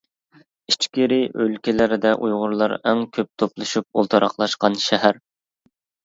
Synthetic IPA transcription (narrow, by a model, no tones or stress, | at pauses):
it͡ʃkʲiɾɪʔølkʲɪlɪɾɪd̪ɛʔujʁʊɾlˠɑɾæŋkʲʰøp̚t̪ʰoplˠɨʃup̚o̰lˠt̪ʰɑɾʔɑχlˠɑʃqɑnʃɛɦæɾ